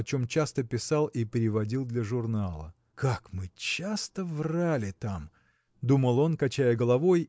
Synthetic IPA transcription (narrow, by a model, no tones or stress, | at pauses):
ɐt͡ɕo̞mt͡ɕast̪əpʲɪsalˠipʲɾʲɪvɐdʲilˠd̪lʲəʐʊrnalˠə̰ | kakmɨt͡ɕast̪əvralʲɪt̪am | d̪uməlˠo̞nkɐt͡ɕæjəɡəlˠɐvo̞j